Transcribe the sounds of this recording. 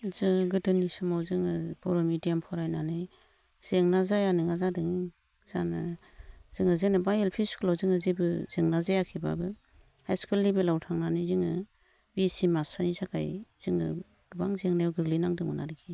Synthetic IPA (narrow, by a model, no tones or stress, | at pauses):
zɯŋɡɯdɯnisɯmawzɯŋɯb̥ɔɾɔmidiampʰɔɾajnanɯ | z̥eŋnazajanɯŋazadɯŋi | z̥anɯ | z̥ɯŋɯzenɯbajelpʰiskʰlawzɯŋɯzebɯz̥eŋnazajakʰiba̰bɯ | hajskɯlːibelawtʰaŋnanizɯŋɯ | bisimasanisaka̰jz̥ɯŋɯ̰ | ɡ̥ɯbaŋzeŋnajwɡɯɡlinaŋdɯmɔnaɾikʰi